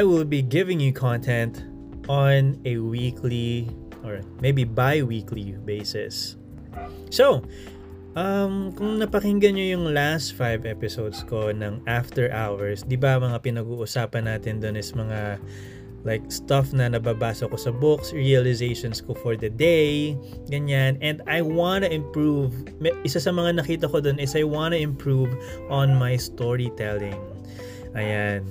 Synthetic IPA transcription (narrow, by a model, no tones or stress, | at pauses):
ajwɪlˠbiɡɪvɪ̃ŋjukʰɔ̃nt̪ʰɛ̃nt̪ | ʔɔnɛwikʰli | ʔɔɹmejbibajwiklibejsɪ̰s | sow | ʔɐmkʊŋnɐpɐkɪŋɡɐɲojʊŋlast̪fajvɛpɪsowd̪skonɐŋʔaft̪ɛɹʔawɛɹsd̪ɪbɐmɐŋapɪnɐɡuːʔʊsaːpɐnːaːt̪ɪnd̪ʊnɪsɐmɐŋa | lajk̚st̪ɐfnɐnɐbaːbaːsokosɐbʊksɹiɐlɪzejʃonskofɔɹd̪ɐd̪ejɡɐɲanɛnd̪ajwanɐʔɪ̃mpɹuv | mʔɪsasɐmɐŋanɐkiːt̪ɐkod̪onɪsɐjwanɐɪ̃mpɹuvʔonmajst̪oɹit̪ɛlɪ̃ŋ | ʔɐjan